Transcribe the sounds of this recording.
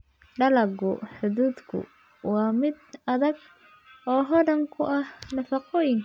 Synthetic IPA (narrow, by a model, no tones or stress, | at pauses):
ɖɐlɐɡʊħʊðuːd̪kʰʊ̰ | wɑːmɪd̪ɐðɐɡ | ɔːɦɔɖɐŋkʰʊʔɐhnɐfɑqɔːjɪŋkʰ